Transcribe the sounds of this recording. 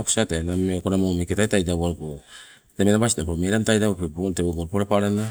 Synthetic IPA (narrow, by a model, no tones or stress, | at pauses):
ako̥satenamekonamomeketajtajdawaɾpo | temenabasinapomeɾantajdawapebonteboɡoɾpoɾapaɾana